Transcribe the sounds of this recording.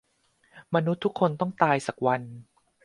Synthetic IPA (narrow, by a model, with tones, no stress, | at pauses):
ma˧nu˦˥t̪ʰːu˦˥kʰːo˧nt̪ɔ˥˩ŋt̪aː˧jsa˨˩k̚wa˧n